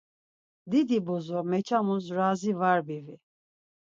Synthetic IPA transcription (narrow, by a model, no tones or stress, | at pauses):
d̪id̪ibɔzɔmɛt͡ʃʰamuzɾazivaɾbivi